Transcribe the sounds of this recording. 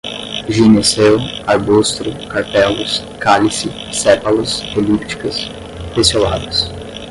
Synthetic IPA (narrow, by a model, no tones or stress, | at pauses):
ʒinisewaɾbust̪ɾʊkaɾt̪ɛlʊs | kalisɪ | sɛpɐlɐselipt͡ʃi̥kɐs | pesola̰d̪ɐs